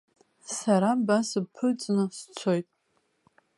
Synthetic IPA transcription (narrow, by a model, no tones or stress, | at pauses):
saɾabasɨpʰɨt͡sʼnɨst͡sʷʰo̞jtʼ